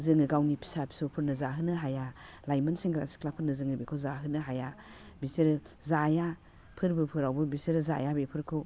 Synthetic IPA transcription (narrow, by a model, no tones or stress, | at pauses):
zɯŋɯɡawnipʰi̥sapʰi̥sɔpʰɯɾnɯzaɦɯnɯɦaja | lajmanseŋɡɾa̰si̥kʰlapʰɯɾnɯzɯŋɯbekʰɔzaɦɯnɯɦaja | bisiɾɯ | zaja | pʰɯɾbɯpʰɯɾawbɯbisiɾɯza̰jabepʰɯɾkʰɯ